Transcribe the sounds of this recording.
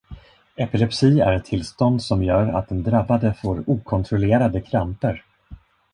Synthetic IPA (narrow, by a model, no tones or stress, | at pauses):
ɛpɪlɛpsiːæ̰ɾɛt̪ʰːɪlst̪ɔnd̪sɔmjœːɾa̰t̪̚d̪ɛnd̪ɾabːad̪əfoːɾuːkʰɔnt̪ʰɾɔleːɾad̪əkʰɾampəɾ